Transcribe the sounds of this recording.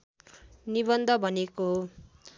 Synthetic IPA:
nibʌnd̪ʱʌbʱʌnekoɦo

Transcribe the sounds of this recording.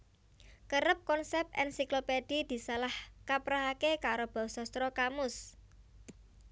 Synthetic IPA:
kəɾəp̚kɔnsɛp̚t̪ʔɛ̰nsikloped̥id̪̥i̤salahkapɾaɦakekaɾob̥ɔ̤wsɔst̪ɾɔkamʊs

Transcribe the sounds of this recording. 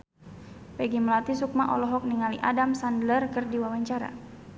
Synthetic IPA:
pɛɡiməlat̪isuk̚maʔɔ̰lɔɦɔk̚niŋaliʔadamsandlərkɨrdiwawaɲt͡ʃaɾa̰

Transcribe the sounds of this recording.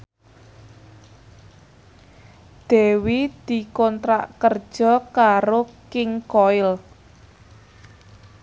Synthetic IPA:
d̪̥e̤wid̪̥i̤kɔnt̪ɾa̰ʔkərd̥ʒ̥ɔ̤kaɾokɪŋkɔɪl

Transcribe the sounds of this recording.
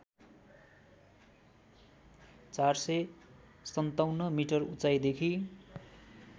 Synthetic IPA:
t͡sarsʌj | sʌnt̪awnːʌmiʈʌrut͡sajd̪ekʰi

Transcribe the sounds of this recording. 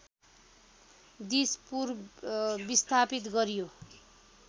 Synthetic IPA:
d̪ispur | bist̪ʰapit̪̬ɡʌɾijo

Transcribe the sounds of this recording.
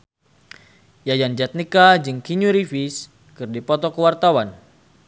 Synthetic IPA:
jajand͡ʒat̪̚nikad͡ʒɨŋkiɲuɾifis | kɨrdipɔt̪ɔkəwart̪awan

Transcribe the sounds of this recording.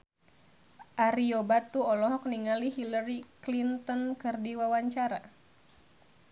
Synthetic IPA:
ʔaɾiobat̪uɔlɔɦɔk̚niŋaliɦilaɾiklint̪ɔnkɨrdiwawaɲt͡ʃaɾa

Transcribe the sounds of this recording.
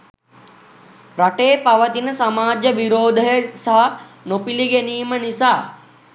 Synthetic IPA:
ɾɐʈeːpɐʋɐt̪inɐsɐmaːd͡ʒjɐʋiɾoːd̪ʱɐjsɐɦɐ | nopiliɡeniːmɐnisaː

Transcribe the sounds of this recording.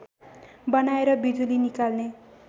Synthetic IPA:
bʌnaeɾʌbid̪ulinikalne

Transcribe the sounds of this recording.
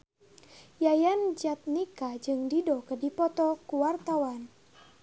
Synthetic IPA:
jajand͡ʒat̪̚nikad͡ʒɨŋdidɔkədipɔt̪ɔkuwart̪awan

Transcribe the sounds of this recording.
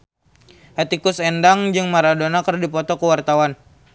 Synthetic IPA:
hɛt̪ikʊsɛndaŋd͡ʒɨŋmaɾadonakərdipɔt̪ɔkuwart̪awan

